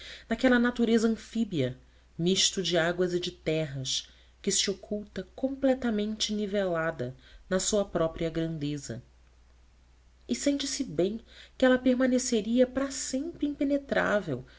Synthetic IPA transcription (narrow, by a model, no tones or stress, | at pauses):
nakɛlɐnat̪uɾezɐɐ̃fibiɐ | miʃt̪ud͡ʒɪaɡwɐzɪd͡ʒɪt̪ɛɦɐʃ | kɪsiokʰuwt̪ɐkõmplɛt̪ɐmẽnt͡ʃɪnivelad̪ɐnɐsuɐpɾɔpɾiɐɡɾɐ̃nd̪ezɐ̰ | ɪsẽnt͡ʃɪsɪbẽj̃kɪɛlɐpeɾmɐneseɾiɐpɾɐsẽmpɾɪĩpenet̪ɾa̰vḛw